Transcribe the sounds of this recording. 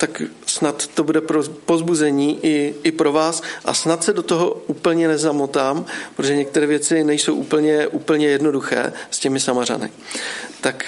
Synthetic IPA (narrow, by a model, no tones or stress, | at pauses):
t̪aksnat̪ːo̞budɛpopo̞zbuzɛɲiːʔɪɪpɾo̞vaːsʔa̰snat̪sɛdo̞t̪oɦo̞uːpl̩ɲɛnɛzamot̪aːmpɾot̪oʒɛɲɛk̚t̪ɛɾɛːvjɛt͡sɪnɛjso̞wʔṵːpl̩ɲɛʔuːpl̩ɲɛjɛdno̞duxɛ̰ːscɛmɪsamara̰nɪ̰t̪ak